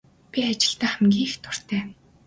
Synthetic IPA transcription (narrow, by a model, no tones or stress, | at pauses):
pʲiat͡ɕɪ̆ɬt̪æːχæmɡʲiːxt̪ʰʊr̥t̪æː